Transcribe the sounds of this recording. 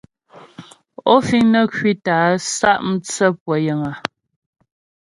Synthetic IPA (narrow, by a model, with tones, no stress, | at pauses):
ɔ˦fi˦ŋnə˦kwi˦taː˨˦sa˦˨ʔm̩˦t͡sə˦pwə˨˦jə˨ŋa˨